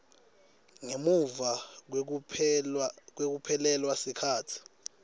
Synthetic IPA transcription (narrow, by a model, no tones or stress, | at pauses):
ŋemuva | k̬wek̬upʰɛlɛlwasikʰaːtʰi̥